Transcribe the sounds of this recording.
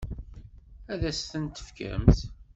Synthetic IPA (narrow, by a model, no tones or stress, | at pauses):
æðæst̪ənt̪ə̥fkæ̰ɾəmt̪